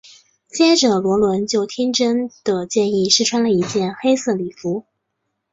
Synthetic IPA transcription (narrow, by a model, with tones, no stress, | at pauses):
t͡ɕjɛ˥ʈ͡ʂɤ˨˩lwɔ˧˥lwə˧˥nt͡ɕjo˥˩ʊt̪ʰi˥ŋʈ͡ʂə˥nd̪̥ə˨t͡ɕjɛ˥˧ni˥˩ʂɻ̩˥˧ʈ͡ʂʰwa˥nlə˨i˧˥t͡ɕjɛ˥˩nxe˥ɪsɤ˥˩li˨˩fu˧˥